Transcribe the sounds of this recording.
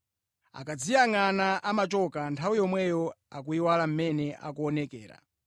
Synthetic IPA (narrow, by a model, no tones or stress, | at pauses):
a̰kad͡zijaŋanaʔamat͡ʃɔkantʰawijɔmwɛjɔakuiwalam̩mɛnɛʔa̰kuɔnɛkɛːɾa̰